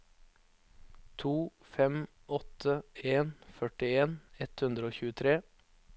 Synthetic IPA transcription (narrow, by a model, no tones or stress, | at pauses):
t̪ʰuː | fɛm | ʔɔt̪ʰəeːnfœʈɪeːnɛt̪hʉnd̪ɾəoːçʉːət̪ʰɾeː